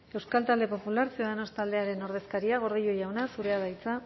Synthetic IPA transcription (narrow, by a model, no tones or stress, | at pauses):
e̞wskalt̪ald̪e̞po̞pulaɾseoðano̞st̪ald̪e̞aɾe̞no̞ɾðe̞skaɾiaɣo̞ɾðijojawnasuɾe̞aðajt͡sa